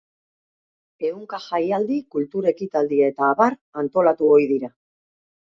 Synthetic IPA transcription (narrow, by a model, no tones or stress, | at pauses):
e̞uŋkaʝajald̪ikult̪uɾe̞kit̪ald̪iae̞t̪aːβaɾant̪o̞lat̪uojðiɾa